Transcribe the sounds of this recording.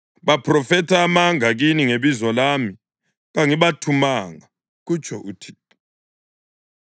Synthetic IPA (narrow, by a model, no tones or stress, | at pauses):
βapʰrɔfɛtʰaːmaŋaɣiniŋeβizɔlami | ɣaŋiβatʰumaŋa | ɣut͡ʃʼʰɔʔutʰi̥